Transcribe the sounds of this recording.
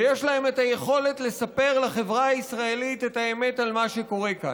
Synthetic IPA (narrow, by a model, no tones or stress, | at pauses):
jeʃlae̞metaje̞χo̞le̞tle̞sape̞ʁlaχevʁaaisʁaelitetaeme̞talmaʃe̞ko̞ʁeka̰